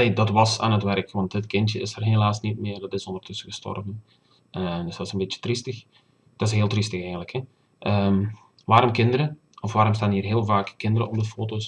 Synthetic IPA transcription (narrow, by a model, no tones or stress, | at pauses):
neːdɑtʋɑsa̰ːnətʋɛrkʋɑntətkɪntjəɪsərɦelaːsnit̚mɪːrdɑtɪsɔndərtʰɵsəɣəstɔ̰rvən | əsɪsənbɪtjə̥tristəx | d̥ɔɪsheːlˠtristəxɛɣəntləkʰhɛ | ʔəm | ʋaːɾɔmkɪndəɾə | ɔfʋaːɾɔmstaːnɦiːrɦɪːlˠvaːkːɪndəɾəɔp̚dəfoːtos